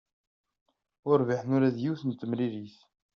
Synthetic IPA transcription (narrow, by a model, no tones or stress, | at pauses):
ʊɾviħnʊɾæðjiwθənt̪ːəmɾiɾiθ